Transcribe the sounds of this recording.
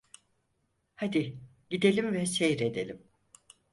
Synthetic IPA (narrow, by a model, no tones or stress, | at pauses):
had̪iɟid̪e̞lʲimvɛsejɾed̪e̞lʲim